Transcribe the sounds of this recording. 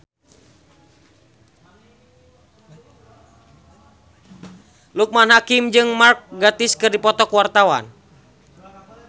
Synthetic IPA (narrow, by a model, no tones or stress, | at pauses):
luk̚manɦakimd͡ʒɨŋmark̚ɡat̪iskɨrdipɔt̪ɔkwart̪awa̰n